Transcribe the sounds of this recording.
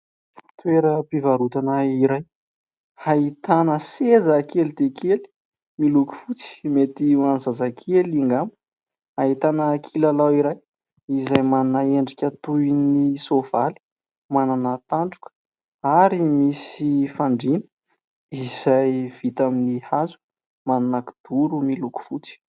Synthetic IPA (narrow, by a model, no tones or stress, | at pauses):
t̪weɾəpivaɾut̪anəiɾaj | hait̪anəsezəkelid̪ekʰeli̥ | miluku̥fut͡si̥met̪iwanizazakʰeliŋɡamu̥ | aɦit̪anəːkʰilalawiɾaj | izajmannaeɳɖ͡ʐikʲat̪unisov̥ali̥ | mananət̪aɳɖ͡ʐukə̥ | aɾimisifaɳɖ͡ʐinə̥ | iz̥ajv̥it̪aminihazu̥ | mananaki̥d̪̥uɾumiluku̥fut͡si̥